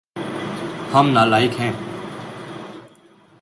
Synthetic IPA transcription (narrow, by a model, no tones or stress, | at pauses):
həmnaːlaːɪkɦɛ̃ː